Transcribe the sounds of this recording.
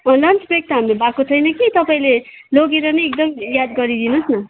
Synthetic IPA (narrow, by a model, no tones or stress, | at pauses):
ʌlʌnt͡sbek̚t̪ʌɦamlebakot͡sʰʌjnʌkit̪ʌpaĩle | loɡeɾʌnʌek̚d̪ʌmjad̪ɡʌɾid̪inusnʌ